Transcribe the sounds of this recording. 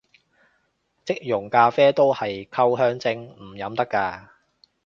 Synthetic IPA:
t͡sɪ˥k̚jʊ˨˩ŋkaː˧fɛː˥t̪o˥whɐ˨jkʰɐ˥wɦœː˥ŋt͡sɪ˧˥ŋm̩˨˩jɐ˨˥mt̪ɐ˥kːaː˧

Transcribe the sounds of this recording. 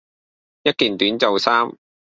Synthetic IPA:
jɐ˥t̚kiː˨nt̪yː˨˥nt͡sɐ˨wsaː˥m

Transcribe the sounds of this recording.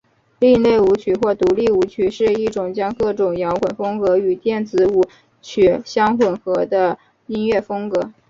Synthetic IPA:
li˥˧ŋle˥˩ɪu˧˥t͡ɕʰy˨˩xwɔ˥˩t̪u˧˥li˥˩u˧˥t͡ɕʰy˨˩ʂɻ̩˥˧i˥˩ʈ͡ʂʊ˨˩ŋt͡ɕjɑ˥ŋkɤ˥˩ʈ͡ʂʊ˨˩ŋjɑ˧˥ʊkwə˨˩nfɤ˥ŋkɤ˧˥y˨˩t̪jɛ˥˩nt͡sɹ̩˧˥u˨˥˩ | t͡ɕʰy˨˧˩ɕjɑ˥ŋxwə˨˩nxɤ˧˥d̪ə˧ | i˥nɥɛ˥˩fɤ˥ŋkɤ˧˥

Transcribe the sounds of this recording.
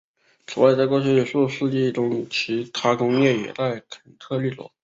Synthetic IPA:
t͡sʰu˨˩wa˥ɪt͡sko˥ʊɕɛ˥˧˩ʂu˥˧ʂu˥˧t͡ɕi˥˩ʈ͡ʂʊ˥ŋt͡ɕʰi˧˥t̪ʰa˥kʰʊ˥ŋjɛ˥˩jɛ̰˨˩t̪a˥˩ɪkʰə˨˩nt̪ʰɤ˥˧ly˥˩lwɔ̰˧˥˦

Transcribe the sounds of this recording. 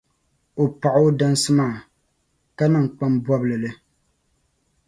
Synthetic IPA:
o˨pa˨ʔo˦da˦n˦sɨ˦maː˦˨ | ka˦nɨ˨ŋ˨k͡pa˦mbwɔ˦blɨ˨lɨ˦

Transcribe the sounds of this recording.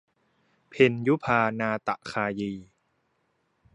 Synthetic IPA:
pʰe˧nju˦˥pʰaː˧naː˧t̪a˨˩ʔkʰaː˧jiː˧

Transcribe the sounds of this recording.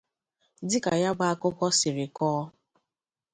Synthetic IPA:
dɪ˦ka˨ja˦ɡ͡ba˦a˦kʊ˦kɔ˦sɪ˨ɾɪ˨kɔː˦

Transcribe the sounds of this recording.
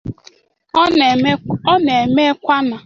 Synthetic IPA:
ɔ˦ne˨me˦kʷa˦na˨

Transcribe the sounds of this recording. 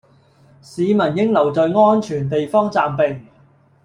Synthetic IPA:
siː˨˧mɐ˨˩njɪ˥ŋlɐ˨˩wt͡sɔ˨ɥŋɔː˥nt͡ʃʰyː˨˩nt̪e˨jfɔː˥ŋt͡saː˨mpɪ˨˩ŋ

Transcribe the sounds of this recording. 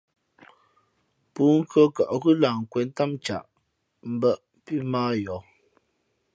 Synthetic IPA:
puː˨˦ŋ̩˦kə˦ka̰˨ʔɣʉ˦laː˨ŋ̩˨kwɛ˨˦n˦ta˦mt͡ʃa̰˨ʔ | m̩˦bə˦˨ʔ | pi˦maː˦jɔ˨˦

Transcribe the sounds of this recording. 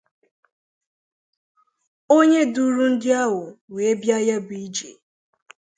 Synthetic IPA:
o˦ɲe˦du˦ɾu˦n̩˦dɪ˦a˦ɦʊ˨we˨e˦bja˦ja˦bi˨˦d͡ʒḛ˨

